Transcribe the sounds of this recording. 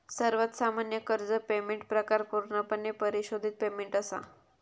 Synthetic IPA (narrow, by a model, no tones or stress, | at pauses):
səɾʋət̪samanjəkəɾd͡zəpemeɳʈ̚pɾəkaɾkuɾnapəɳːepəɾiɕod̪ʱit̪̚pemeɳʈəsa̰